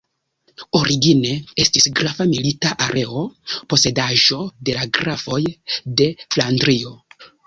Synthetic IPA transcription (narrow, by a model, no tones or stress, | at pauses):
o̞ɾiɡine̞e̞stisɡɾafamilitaʔaɾe̞o̞po̞se̞daʒo̞de̞laɡɾafo̞jde̞flandɾio̞